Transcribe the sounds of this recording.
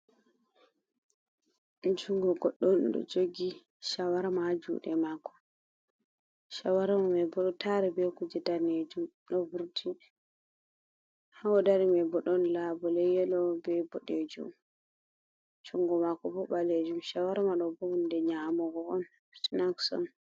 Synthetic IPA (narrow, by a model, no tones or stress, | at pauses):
d͡ʒuŋɡɔɡɔɗːɔmɗɔ̰d͡ʒoɡi | ʃawaɾamad͡ʒṵːɗɛmakɔ̥ | ʃawaɾamamɛbɔɗɔtʰaɾɛbɛkud͡ʒɛdaned͡ʒum | ɗɔvuɾtʰi | hawɔdaɾimɛbɔɗɔnlabɔlɛjɛlɔbɛbɔɗed͡ʒṵm | d͡ʒuŋɡɔmakɔbɔbaled͡ʒumʃawaɾamaɗɔbɔundɛɲamɔɡɔɔn | sinaksɔ̰n